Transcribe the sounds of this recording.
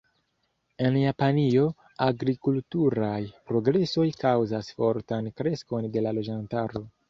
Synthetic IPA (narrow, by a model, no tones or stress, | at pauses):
e̞njapanio̞ | aɡɾikultuɾajpɾo̞ɡɾe̞so̞jkawzasfo̞ɾtankɾe̞sko̞nde̞lalo̞d͡ʒantaɾo̞